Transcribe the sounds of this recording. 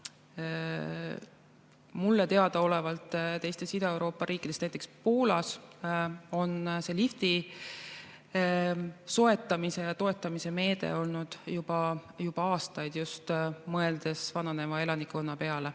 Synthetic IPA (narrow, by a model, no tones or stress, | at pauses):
mulːet̪e̞ɑd̪̥ɑo̞levɑlt̪ˑt̪e̞jst̪e̞sid̪̥oewɾo̞ːpːˑɑɾʔiːkːˑid̪est̪næjt̪ekspuːlɑs | o̞nse̞lift̪i | so̞e̞t̪ːˑɑmise̞jɑt̪o̞e̞t̪ːˑɑmise̞me̞ːd̪̥e̞̰o̞lnud̪̥jub̥ɑjub̥ɑɑːst̪ɑjd̪̥just̪mɤe̞ld̪̥e̞svɑnɑne̞mɑe̞lɑnikːonːɑpe̞ɑle